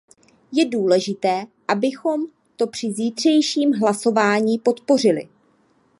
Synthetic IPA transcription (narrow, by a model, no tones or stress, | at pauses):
jɛduːlɛʒɪt̪ɛːʔabɪxo̞m | t̪o̞pr̥ɪziːt̪r̝̥ɛjʃiːmɦlaso̞vaːɲiːpo̞t̪po̞rɪlɪ̰